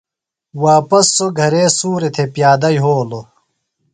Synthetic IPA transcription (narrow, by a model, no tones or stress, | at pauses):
waːpɐsːoɡʱɐɾeːsuːɾet̪ʰepjaːd̪ɐjɦoːlo